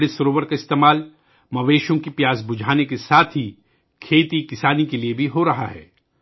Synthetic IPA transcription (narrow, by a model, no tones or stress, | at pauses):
ɽɪsɐɾoːbəɾkaɪst̪eːmaːl | mɐʋeːʃõkipjaːzbʊd͡ʒʱaːnekesaːt̪ʰɦi | kʰeːt̪ikɪsaːnikeliebʱiɦoɾɐɦaɦɛ̰ː